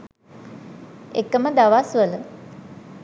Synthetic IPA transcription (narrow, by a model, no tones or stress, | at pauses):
ḛkəməd̪aʋasʋələ